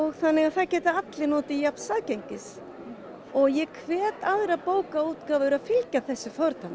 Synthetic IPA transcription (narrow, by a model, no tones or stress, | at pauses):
ɔɣθanːɪɣaðθaðcɛːt̪ɪat̪lɪnɔːt̪ɪjapnsaːðceɲcɪs | ɔɣjɛkʰvɛːt̪aðɾapoːwkauːt̪kaːvʏʏɾaðfɪlcaθɛsːʏfɔɾt̪an